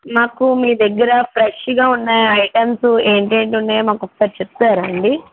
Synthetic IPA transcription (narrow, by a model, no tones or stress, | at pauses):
maːkumiːd̪ɐɡːɐɾɐpʰɾeʂɡaːunːaːjɐjʈɐmsueːɳʈeːɳʈunːaːjmaːkɔkːɐsɐːɾit͡ʃep̚t̪aːɾɐɳɖi